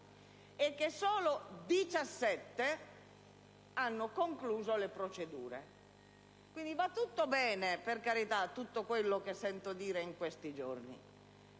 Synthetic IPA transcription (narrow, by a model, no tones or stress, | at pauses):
ekːesːɔːlod̪it͡ʃasːɛt̪ːe | anːokoŋkluːzolepɾot͡ʃed̪uːɾḛ | kwind̪ivat̪ːut̪ːobɛːneperkaɾit̪at̪ːut̪ːokwelːok̟esːɛnt̪od̪iːɾeiŋkwest̪id͡ʒornḭ